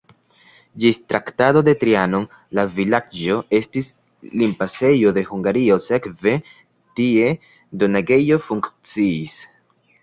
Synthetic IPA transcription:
d͡ʒistɾaktado̞de̞tɾiano̞n | lavilad͡ʒo̞e̞stis | limpase̞jo̞d̪e̞huŋɡaɾio̞se̞kve̞ | tie̞ | donaɡe̞jo̞fuŋkt͡siːs

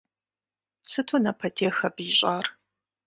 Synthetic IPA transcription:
sɨtʰonɐpʰɐtʰeːxɐbiɕʼaːr

